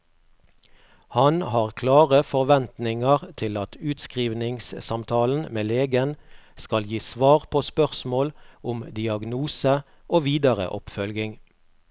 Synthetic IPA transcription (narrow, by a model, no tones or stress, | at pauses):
hɑnhɑːʁkʰlɑːʁəfɔʁʋɛnt̪nɪŋəʁt̪ʰɪlɑt̪ʉːt̪skʁiːʋnɪŋssɑmt̪ʰɑːln̩meːleːɡənskɑljiːsʋɑːʁpʰoːspœʁsmoːlʊmd̪ɪɑɡnuːsə | ʔoːʋiːd̪əʁə̰ʔɔpfœlɡɪŋ